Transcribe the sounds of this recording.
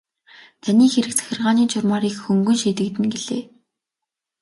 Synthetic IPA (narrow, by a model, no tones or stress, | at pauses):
t̪ʰaniːxeɾɘ̆k̚t͡sʰæ̥xʲɪ̆rʁaːniːt͡ɕʰʊrmaːɾiːkxɵŋɡɵ̆nʃiːt̪ɘ̆kt̪ɘ̆nɡeɮḛː